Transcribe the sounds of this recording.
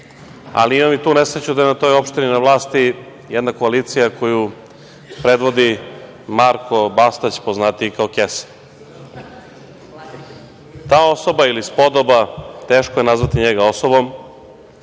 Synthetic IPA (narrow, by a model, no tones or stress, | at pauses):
a̰liimamit̪uːne̞sɾet͡ɕud̪ajenat̪o̞ːjo̞pʃt̪ininaʋlˠaːst̪i | jɛd̪nako̞aliːt̪sijako̞ju | pɾe̞d̪ʋo̞d̪i | maɾkʰo̞bast̪at͡ɕpoznat̪iikaokesḁn | t̪aːo̞so̞bailispo̞d̪obat̪e̞ːʃkoje̞nazʋat̪iɲeɡaosobo̞m